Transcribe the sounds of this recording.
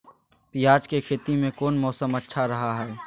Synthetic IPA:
pijaːd͡ʒkekʰeːt̪imẽkoːnmɔːsəmɐtːʃʰaɾɐɦaɦɛː

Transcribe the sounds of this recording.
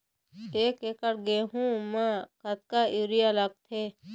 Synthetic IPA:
eːkeːkəɽɡeɦũmãkɐt̪̚kaiːɾijalɐk̚t̪ʰeː

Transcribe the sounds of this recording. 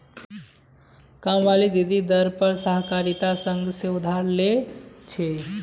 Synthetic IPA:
kamʋalid̪id̪id̪əɾpəɾsəɦkaɾit̪asəŋɡseud̪ʱaɾlet͡ʃʰe

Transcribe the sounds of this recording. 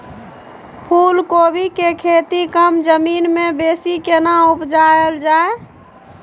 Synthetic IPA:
pʰulkobʱikekʰet̪ikəmd͡ʒəminmebesikenaupd͡ʒaeld͡ʒae

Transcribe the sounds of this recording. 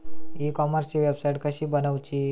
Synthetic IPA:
ikɔməɾst͡ɕiʋebsajiʈkəɕiːbənəʋt͡ɕi

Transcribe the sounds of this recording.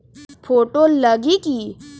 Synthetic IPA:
pʰoːʈoləɡiki

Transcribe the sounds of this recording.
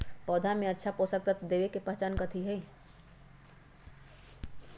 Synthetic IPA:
pɔːd̪ʱamẽətːʃʰapɔsək̚t̪ət̪d̪ebekepəɦt͡ʃankət̪ʰiɦɛi

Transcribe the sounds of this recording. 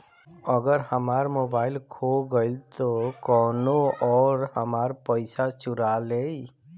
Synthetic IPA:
əɡəɾhəmaːɾmoːbaːɪlkʰoɡəɪlt̪okɔːnoɔːɾhəmaːɾpəɪsat͡ʃʊɾalei

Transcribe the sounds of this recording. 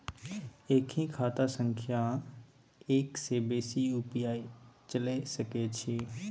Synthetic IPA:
eːkʰĩːkʰaːt̪asə̃ŋkʰja | eːkseːbeːsiuːpijaːit͡ʃəlesɐket͡ʃʰiː

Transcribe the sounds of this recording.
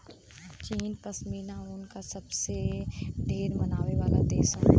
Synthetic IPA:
t͡ʃiːnpəsmiːnaɔɾʊnkasɐbseɖʱeːɾmɐnaːʋeʋaːlad̪eːsɦɛ

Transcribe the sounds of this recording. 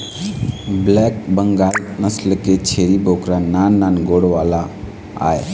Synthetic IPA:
blɛːk̚bəŋɡaːlnəslket͡ʃʰeːɾibʱoːkɾanaːnːaːnɡoːɽʋaːla | a̰ːe

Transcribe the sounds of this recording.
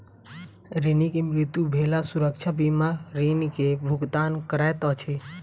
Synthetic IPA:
ɾinikemɾɪt̪jubʱelasuɾəkt͡ʃʰabimaɾinikebʱʊɡt̪ankəɾajt̪ət͡ʃʰe

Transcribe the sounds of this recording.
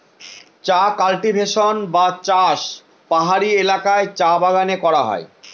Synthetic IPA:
t͡ɕakalʈibʱeʃonbat͡ɕaʃ | paɦaɾielakaet͡ɕabaɡanekɔɾaɦɔ̰e

